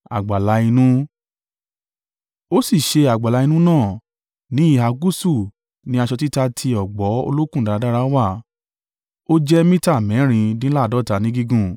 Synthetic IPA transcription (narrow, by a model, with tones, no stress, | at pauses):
a̰˨ɡ͡ba˨la˧˦i˧nũ˦ | o˦si˦˨ʃe˧a˨ɡ͡ba˨la˨˧i˧nũ˦nãː˦˨ | nĩ˦i˦˨ɦa˧ɡu˦su˦˨ | nĩ˨˦a˧ʃɔ˧ti˦ta˧tʰi˧ɔ˨ɡ͡bɔ˨˦o̰˧lo˦kũ˦˨da˨a˧˦da˦ɾa˦wa˦˨ | o˦d͡ʒɛ˦mĩ˦ta˦˨mɛ̃˨˦ɾ̃ĩ˧dĩ˦la˦˨dɔ˨˦˨ta˨˦nĩ˨˦ɡi˧ɡũ˦˨